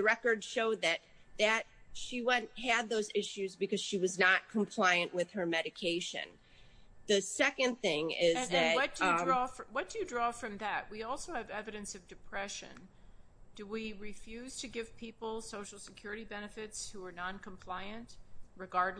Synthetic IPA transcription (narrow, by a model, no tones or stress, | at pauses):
ɨɹɛkə˞dʃoʊd̪̚ðɨt̪̚ðɨt̚ʃiwɛ̃ntɦɨd̪̚ðoʊzɪʃʉzbɨkʌz̥ʃiwʌznət̚kʰə̃m̩pʰl̥aɪɨ̃nʔwʔɪð̥ə˞mɛɾɨkʰeɪʃɨ̰̃n | ðɨsɛkɨ̃nθɪ̃ŋɪzðɨʌt̚d̥ɹɔfɹwʌt̚d̥ɨjɨdɹɔfɹʌ̃mðɨt̚wiɔlˠsoʊɨvɛvɨɾɨ̃nsʌvdɨpʰɹ̥ɛʃɨ̰̃n | d̥ɨwiɹɨfjʉz̥tʰɨɡɪv̥pʰipl̩ˠsoʊʃl̩ˠsɨ̥kʰj̥ʊɹɨɾibɛnɨfɪtshuə˞nɑ̃nkʰə̃m̩pʰl̥aɪɨ̃ntɹɨɡɑɹdˡ